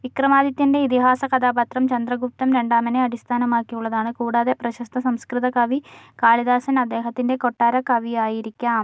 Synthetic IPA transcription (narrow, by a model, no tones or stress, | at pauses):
ʋikrɐmaːd̪jɐt̪ːinde̞it̪iɦaːsɐkɐd̪aːbɐt̪rɐmt͡ɕɐnd̪rɐɡup̚t̪ɐmɾe̞ɳɖaːmɐneɐɽist̪ʰaːnɐmaːkːijuɭːɐðaːɳɨkuːɽaːðeprɐɕɐst̪ʰɐsɐmskrɨðɐkɐʋikaːɭiðaːsɐnɐd̪ːe̞ːɦɐt̪ːinde̞ko̞ʈːaːɾɐkɐʋijaːjiɾikʲːaːm